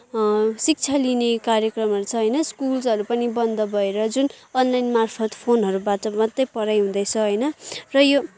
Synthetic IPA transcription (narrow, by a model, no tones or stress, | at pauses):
sik̚t͡sʰalinekaɾjʌkrʌmɦʌɾut͡sʰʌɦʌjnʌskulsʌɾupʌnibʌnd̪ʌbʌeɾʌd͡zunʌnlajnmarpʰʌt̪pʰonɦʌɾubaʈʌmʌt̪ːʌjpʌɾajɦũd̪ʌjt͡sʰʌɦʌjnʌrʌjo